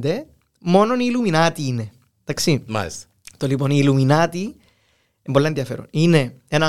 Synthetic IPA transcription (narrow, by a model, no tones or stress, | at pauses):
d̪e̞ | mo̞no̞niːluminɐt̪iine̞ | d̪ɐksima̰lḭst̪ɐ̥ | t̪olip̬o̞niːluminɐt̪i | emboɾilːɐenðjɐfe̞ɾo̰nine̞enɐ